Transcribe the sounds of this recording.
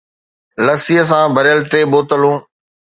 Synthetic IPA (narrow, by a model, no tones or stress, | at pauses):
ləsiəs̬ãːbʱɐɾjəlʈɾeːɓoːt̪əlũː